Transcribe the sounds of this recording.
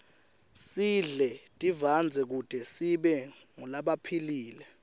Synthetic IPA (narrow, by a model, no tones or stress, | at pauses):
siɮɛtʼivand͡zʱɛk̬ud̥ʱɛsiɓɛŋulaɓapʰiliːlɛ